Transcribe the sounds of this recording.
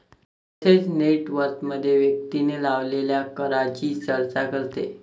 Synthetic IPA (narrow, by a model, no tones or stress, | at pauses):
ət̪ʰet͡sneʈʋəɾkməd̪ʱːjeʋjək̚t̪inelaʋleljakəɾat͡ɕiːt͡səɭt͡sakəɾt̪ḛ